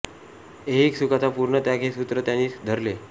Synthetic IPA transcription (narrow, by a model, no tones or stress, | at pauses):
eiksukat͡sapuɾɳət̪jakʰesut̪ɾət̪janiːd̪ʱəɾle